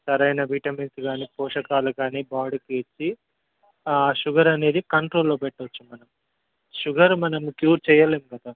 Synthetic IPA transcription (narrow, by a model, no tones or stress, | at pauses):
sɐɾɐjnɐbʱiʈɐminsɡaːnipɔːʂɐkaːluɡaːnibaːɽukiːt͡ʃːi | aʃuɡɐɾɐne̞ːd̪ikɐɳʈɾoːlːoːpɛʈːot͡ʃːumɐnɐm | ʃuɡɐɾumɐnɐmukjuːɾt͡ʃɛːjːɐleːmuɡɐd̪aː